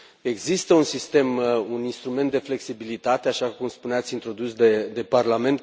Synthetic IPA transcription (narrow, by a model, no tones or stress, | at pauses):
e̞ɡzist̪əunsist̪e̞muninst̪ɾume̞nt̪̚d̪e̞fle̞ksibilit̪at̪e̞aʃakumspuneat̪sʲint̪ɾo̞d̪usd̪e̞d̪e̞parlame̞nt̪̚